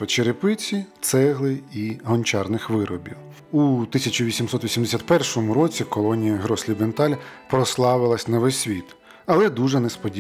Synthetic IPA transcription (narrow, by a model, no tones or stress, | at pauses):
ɔt͡ʃeɾɪpɪt͡sʲit̪sɛɦlˠɪiɦɔnʲt͡ʃɑrnɪxʋɪɾɔbʲiw | ut̪ɪsʲɐt͡ʃʊʋʲisʲimsɔt̪ʋʲisʲimd̪esʲat̪̚ʲpɛrʃɔmʊɾɔt͡sʲikɔlˠɔnʲijɐɦɾɔsʲlʲibent̪ɑlʲpɾɔslˠɑʋɪlˠɐsʲnɐʋɛsʲʋʲit̪ | ɐlˠɛd̪uʒɛnespɔdʲi